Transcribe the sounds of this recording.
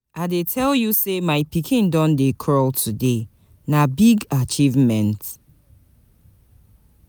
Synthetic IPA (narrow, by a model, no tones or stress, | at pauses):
adetʰɛljusemaɪpikʰĩndɔ̃ndekʰɹɔltʰude | nabiɡat͡ʃivmɛ̃nt